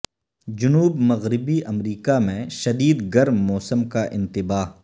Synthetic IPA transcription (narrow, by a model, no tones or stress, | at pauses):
d͡ʒʊnuːbmɐɣɾɪbiʔɐmɾiːkamẽʃɐd̪iːd̪ɡɐɾmːɔːsəmkaʔɪ̰̃nt̪ɪbaːɦ